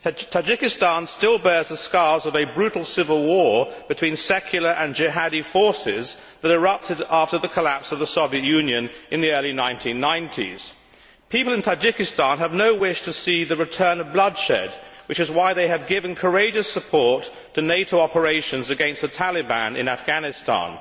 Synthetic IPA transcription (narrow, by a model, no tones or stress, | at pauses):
tʰad͡ʒɪkɨstɑ̃nstɪlˠbɛɹzðəskɑɹzʌvɨbɹʉɾl̩ˠsɪvəl̩ˠwɔɹb̥ɨtʰw̥ĩnsɛkʰjl̩ˠə˞ʔɨ̃nd͡ʒɪɦæɾifɔɹsɪ̰z | ðɨɾə˞ʌp̚tʰɨɾæftə˞ðɨkʰəlæpsʌvðəsoʊviɨtjʉ̃njɨ̃nʔɨ̃nðiɜ˞lˠinãɪ̃ntʰĩnːãɪ̃ntʰḭz̥ | pʰipl̩ˠɨ̃ntʰad͡ʒɪkɨstɑ̃nəvnoʊwɪʃtʰɨsiðɨɹɨtʰɜ̃˞nʌvblʌdʃɛ̰d̚wɨt͡ʃɨzwaɪðeɪɨvɡɪvɨ̃nkʰə˞eɪd͡ʒɨsəpʰɔɹtʰ | ɨneɪɾoʊɑpə˞eɪʃɨ̃nzɨɡɛ̃nst̪̚ðɨtʰælˠɨbæ̰̃nɨ̰̃næfɡ̥ænɨstɑ̰̃n